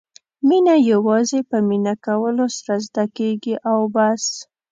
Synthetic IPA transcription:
minajawɑzepəminakawəlosaɾazd̪akeɡiʔawbas

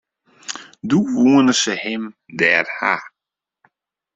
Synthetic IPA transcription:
duuənəsəhɪm | dɛːrha̰

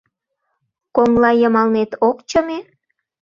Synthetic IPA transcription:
koŋlɑjəmɑlnet̪okt͡ɕəme

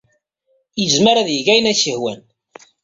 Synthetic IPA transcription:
jəzməɾæðjʝæjənæçəhwæn

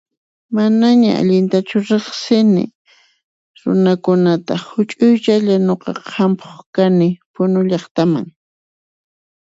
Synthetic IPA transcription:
manaɲaa̰ʎɪnt̪at͡ʃʊɾeχsɪnɪ̰ | ɾʊ̰nakʊnat̪ahʊt͡ʃʼʊjt͡ʃaʎanoqɑqʰɑmpʰo̥χkanɪpʊnʊʎɑχt̪ama̰ŋ

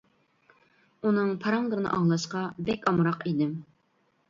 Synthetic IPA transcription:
unɨŋpʰɑɾɑŋd̪ɨɾɨnɨ̰ʔɑŋlˠɑʃqɑbɛkʲɑmɾɑqid̪ɪm

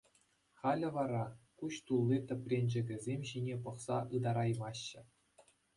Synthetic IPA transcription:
χɑlʲɘ̆ʋɑɾɑkuɕt̪ulʲˠːit̪ʲɘ̆pʲrʲenʲd͡ʑɘ̆ɡʲɘ̆zʲemʲɕinʲepɤ̆χsɑʔɯd̪ɑɾɑjmɑɕːɘ̆

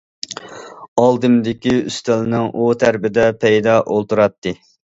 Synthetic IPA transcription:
ɑlˠd̪ɨmd̪ɪkʲiyst̪ɛlnɪŋʔot̪ʰæɾbɪd̪ɛpʰɛjd̪ɑʔolˠt̪uɾɑt̪ʰːɨ

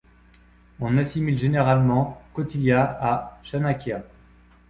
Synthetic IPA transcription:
ɔ̃nasimilʒeneʁalmɑ̃kɔt̪iljaaʃanakʲja

